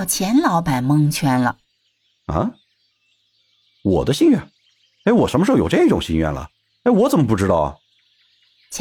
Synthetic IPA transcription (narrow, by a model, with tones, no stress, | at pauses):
ʊt͡ɕʰjɛ˧˥nlɑ˧˥ʊpa˨˩nmɤ˥ŋt͡ɕʰɥɛ˥nlə̰˨ | ə˧˥ | wɔ̰˨˩d̪ə˦ɕi˥˧nɥɛ˥˩n | e˥ɪwɔ˨˩ʂə˧˥nə˧ʂ̩˥˩jo̰˨˩˧ʈ͡ʂɤ˥˧˥i˥ʈ͡ʂʊ˨˩ŋɕi˥nɥɛ̰˥˩nlə̰˩ | e˥˩ɪwɔ˧˥t͡sə˨˩nmə˧p̬u˥˩ʈ͡ʂɻ̩˧˥t̪ɑ˥˩ʊ | t͡ɕʰ